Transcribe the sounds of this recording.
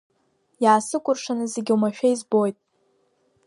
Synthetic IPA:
jaːsɨkʷʼʊrʂanɨzeɡʲiumaʃᶣaizbo̞jtʼ

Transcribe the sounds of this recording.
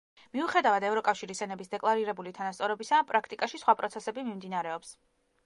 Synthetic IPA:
miuχɛd̪avad̪ɛvɾɔkʼafʃiɾisɛnɛbisd̪ɛkʼlˠaɾiɾɛbulit̪ʰanast̪sʼɔɾɔbisapʼɾakʰt̪ʼikʼaʃisχwapʼɾɔt̪sʰɛsɛbimimd̪inaɾɛɔps

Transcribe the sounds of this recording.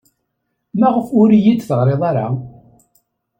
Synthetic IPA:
mæʁəfʊɾjid̪θəʁɾeðˤaɾa̰

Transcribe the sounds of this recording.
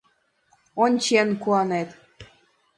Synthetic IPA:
onʲt͡ɕenkuɑnet̪

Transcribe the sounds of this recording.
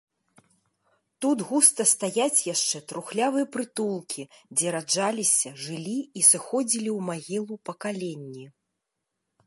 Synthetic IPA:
t̪ud̪ɣust̪ɐst̪ajat͡sʲjaʂt͡ʂɛt̪ɾuxlʲavɨjɛpɾɨt̪ulˠkʲʰid͡zʲɛɾad͡ʐalʲisʲɐʐɨlʲiisɨxɔd͡zʲilʲiwmaɣʲilˠupɐkalʲenʲːi

